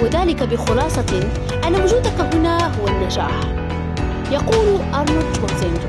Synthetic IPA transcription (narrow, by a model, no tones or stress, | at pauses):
wɪðaːlɪkabɪxʊlɑːsˤɑ | ʔanːawʊd͡ʒuːd̪akaɦʊnaɦʊwanːad͡ʒa̰ːħ | jɑquːlʔɑɾˤmʊd̪ʃʊsɪnd͡ʒ